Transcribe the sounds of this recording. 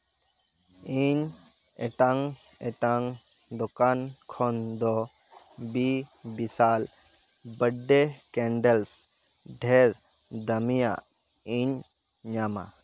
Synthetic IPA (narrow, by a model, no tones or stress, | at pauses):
iɲ | ɛʈaŋ | ɛʈaŋ | d̪ɔkankʰɔnd̪ɔ | bibisal | bəɖːekɛ̃ɳɖəls | ɖʱɛɾ | d̪əmija̰ | iɲ | ɲama̰